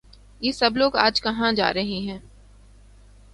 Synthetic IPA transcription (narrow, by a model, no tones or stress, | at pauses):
jeːsɐbloːɡaːd͡ʒkɐɦãd͡ʒa̰ːɾɐɦeɦɛ̃ː